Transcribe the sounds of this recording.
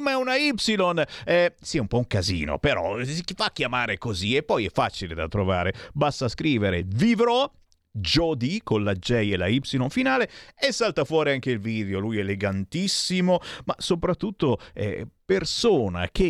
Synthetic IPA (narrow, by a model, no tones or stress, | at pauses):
maɛunaipsilonɛsiumpɔuŋkazḭːno̰peɾɔ̰sikifakːjamaːɾekoziepːɔjɛfːaːt͡ʃiled̪a̰t̪ɾova̰ːɾebast̪askɾiːveɾevivɾɔ | d͡ʒɔd̪ikonlad͡ʒɛjelaipsilonfinaːleesːalt̪afwɔːɾiaŋk̟eilviːd̪eolujelːeɡant̪isːimomasopɾat̪ːut̪ːoɛ̰persoːna̰k̟e